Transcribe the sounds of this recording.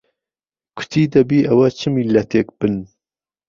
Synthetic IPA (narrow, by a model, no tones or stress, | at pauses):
kʰʊ̥t̪ʰiːd̪ɐbiːʔɐwɐt͡ʃʰɨmilɐt̪ʰeːk̚b̥ɨn